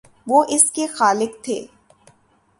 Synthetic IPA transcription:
ʋoːʔɪskexaːlɪkt̪ʰḛː

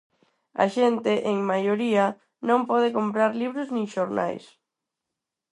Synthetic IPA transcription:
a̰ʃent̪eʔeŋmajoɾia | nõmpɔð̞ekompɾaɾliβɾʊznĩŋʃoɾna̰js

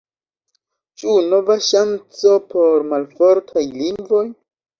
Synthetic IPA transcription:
t͡ʃuno̞vaʃant͡so̞pʰo̞ɾmalfoɾtʰajliŋɡvo̞j

